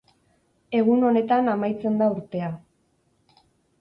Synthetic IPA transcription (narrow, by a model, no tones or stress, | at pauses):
e̞ɣuno̞ne̞t̪anamajt͡se̞nd̪auɾt̪e̞a